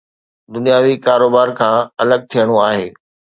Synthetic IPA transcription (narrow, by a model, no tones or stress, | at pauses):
d̪ʊnijaːʋikaːɾoːbaːɾkʰãːɐləɡ̚t̪ʰijəɽ̃oaːɦeː